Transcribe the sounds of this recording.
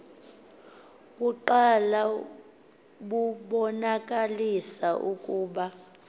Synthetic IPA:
ɓuǃala | ɓuɓɔnakʼalisaʔukʼuːɓa

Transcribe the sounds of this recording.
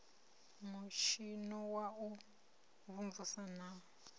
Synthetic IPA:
muʃinɔwau | βuɱvusana

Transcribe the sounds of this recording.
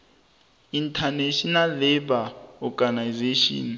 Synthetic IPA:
intʰaneʃinalibaɔɡanajzeʃɔ̰ːn

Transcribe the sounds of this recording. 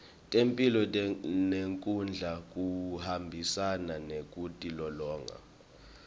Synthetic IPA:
tʼempʼilɔneŋkʼund͡ɮʱak̬ʼuhambʱisananek̬ʼutʼilɔlɔːŋa̰

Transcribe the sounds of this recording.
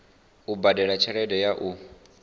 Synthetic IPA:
ubadɛɺat͡ʃʰɛɺɛdɛjaʔu

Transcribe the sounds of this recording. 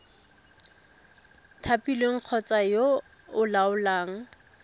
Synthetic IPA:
tʰapilweŋ̩q͡χʰɔt͡sʼajo | ʊlaʊlaːŋ̩

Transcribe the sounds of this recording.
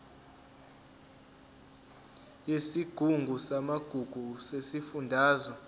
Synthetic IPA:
jesiɡ̥ʱuŋɡʱusamaɡ̥ʱuɡ̥ʱusesifundʱaːzɔ

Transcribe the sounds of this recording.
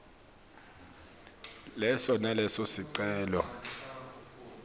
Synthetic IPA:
lɛsɔnalɛsɔsiǀɛːlɔ

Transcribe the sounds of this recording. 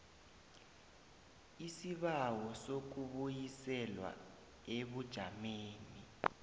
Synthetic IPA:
isiɓawɔsok̬uɓujisɛlwa̰ | eɓud̥ʒ̥ʱameːni

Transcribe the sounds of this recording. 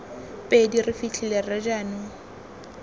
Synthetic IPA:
pʼedirɪfit͡ɬʰilerɪd͡ʒaːnʊ

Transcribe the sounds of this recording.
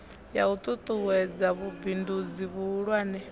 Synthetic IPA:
ja̰ut̪ʼut̪ʼuwɛd͡zaβubindud͡ziβuːɺwaːnɛ

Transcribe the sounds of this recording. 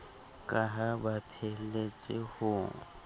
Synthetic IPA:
kʼaɦabapʰelet͡sʼɪhʊːŋ̩

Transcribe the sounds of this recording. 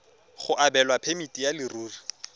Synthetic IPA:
χʊʔabɛlwapʰemitʼijalɪruːri

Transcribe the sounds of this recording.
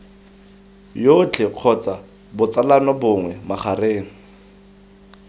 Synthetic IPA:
jot͡ɬʰɪq͡χʰɔt͡sa | bʊt͡salanɔbʊŋwɛmaχareːŋ̩

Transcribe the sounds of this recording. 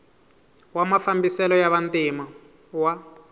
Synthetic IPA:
wamafambisɛlɔjaβantima | wa

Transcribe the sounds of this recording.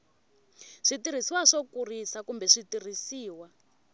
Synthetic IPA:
ʂitiɾ̤isiwaʂɔkurisakumbɛʂitir̤isiːwa

